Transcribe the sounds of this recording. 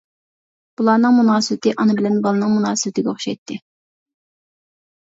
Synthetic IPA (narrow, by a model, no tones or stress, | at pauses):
b̥ulˠɑːnɨŋmunɑːsɨwɪt̪ɨʔɑnɨbɪlɛnbɑlˠɨnɨŋmunɑːsɨbt̪ɪɡʲɛoχʃɑ̰jt̪ʰːɪ